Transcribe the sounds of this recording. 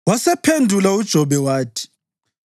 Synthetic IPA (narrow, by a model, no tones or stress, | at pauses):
wasɛpʰendʱulaud̥ʒ̥ʱɔɓɛwaːtʰi̥